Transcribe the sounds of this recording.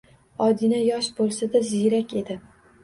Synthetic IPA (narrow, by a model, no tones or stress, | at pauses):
ɒd̪inajɒʃbolˠsad̪azɪjɾakʲe̞d̪ɪ